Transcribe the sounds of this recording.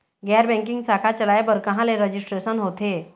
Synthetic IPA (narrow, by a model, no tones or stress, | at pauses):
ɡɛɾbɛ̃ŋkiŋɡsakʰat͡ɕəlajbəɾkəɦãleɾəd͡ʑisʈɾesənɦot̪e